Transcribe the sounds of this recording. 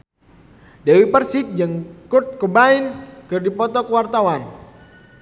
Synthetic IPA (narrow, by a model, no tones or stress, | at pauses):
dɛwipərsɪk̚d͡ʒaŋkurt̪̚kəbainkɨrdipɔt̪ɔkəwart̪awan